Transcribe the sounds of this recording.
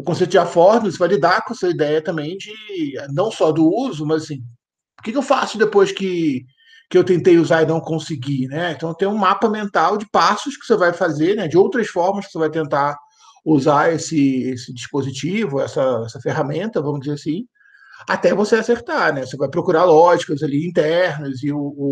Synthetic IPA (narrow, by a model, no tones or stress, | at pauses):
ʊkõsejt̪ʊd͡ʒɪafɔɾnɪsvajlid̪aɾkõɛsɐid̪ɛjɐt̪ɐ̃mbẽj̃d͡ʒɪɛnɐ̃w̃sɔd̪ʊuzʊmɐzasĩ | pʊkɪkɪewfasʊd̪epojʃkɪ | kɪewt̪ẽnt̪ejuzaɾɪnɐ̃w̃kõsɪɡinɛẽt̪ɐ̃w̃t̪ẽj̃ũmapɐmẽnt̪awd͡ʒɪpasʊʃkɪ̥sevajfazeɾnɛd͡ʒɪowt̪ɾɐsfɔɾmɐskɪ̥sevajt̪ẽnt̪aɾ | uzaesɪesɪd͡ʒiʃpozit͡ʃivʊɛsɐɛsɐfeɦamẽnt̪ɐvɐ̃mʊʒd͡ʒɪzeɾasĩ | at̪ɛvoseaseɾt̪aɾnɛvosevajpɾokuɾaɾlɔʒikɐzaliĩnt̪ɛɾnɐzɪʊː